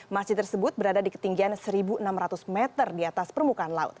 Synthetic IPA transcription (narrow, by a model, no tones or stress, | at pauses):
masd͡ʒɪt̪ːərsəbʊt̪̚bəɾadadikə̥t̪iŋɡiansəɾibuənamrat̪ʊsmɛt̪ərdiat̪aspərmukaanlaʊ̰t̪̚